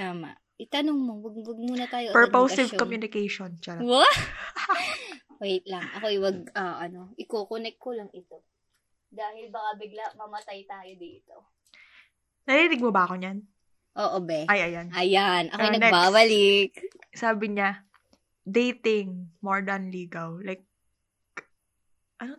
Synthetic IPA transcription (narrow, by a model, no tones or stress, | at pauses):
t̪aːma̰ʔ | ɪt̪ɐnoŋmowɐɡ̚wɐɡ̚muːnɐaːjoʔpɛɹpowsɪvkomjunɪkɛjʃont͡ʃɐɾwa | kwɛjt̪lɐŋʔɐkojwɐɡ̚ɐʔɐnoʔɪkokonɛk̚t̪̚kːolɐŋɪt̪o | d̪aːhɪlbɐkabɪɡ̚laʔmɐmɐt̪ajt̪aːjod̪iːt̪o̞ | nɐɾiinɪɡ̚mobɐʔɐko̞ɲan | ʔoːʔobɛʔɐjʔɐjanʔɐjanʔɐ̰kojnɐnɛbaːbɐlɪk̚saːbɪɲa | d̪ejt̪ɪŋmoɹd̪ɐnliːɡɐllajk̚ | ʔɐno